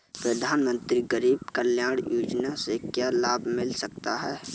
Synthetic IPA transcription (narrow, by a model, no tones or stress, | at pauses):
pɾəd̪ʱaːnmə̃nt̪ɾiɡəɾiːbkəljaːɽ̃juːd͡ʒnasekjaːlaːbʱmɪlsɐk̚t̪aɦɛː